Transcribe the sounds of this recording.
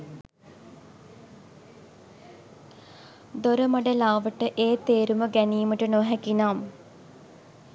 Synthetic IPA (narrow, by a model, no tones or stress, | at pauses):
d̪oɾəmɐɖəlaːʋəʈəʔeːt̪eːɾuməɡæniːməʈənoɦækinaːm